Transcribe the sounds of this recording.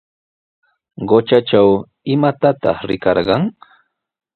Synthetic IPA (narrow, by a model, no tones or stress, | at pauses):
ɢot͡ʃat͡ʃaw | ɪmat̪at̪ɑ̰χɾɪkɑɾɢɑŋ